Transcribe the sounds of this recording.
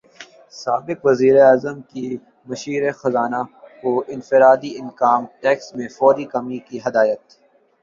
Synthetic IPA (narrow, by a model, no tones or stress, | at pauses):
saːbɪkʋɐziːɾeaːzəmki | mɐʃiːɾexɐzaːnakoɪ̃nfɪɾaːd̪iɪnkaːmʈɛːksmẽfɔːɾikɐmikiɦɐd̪aːjət̪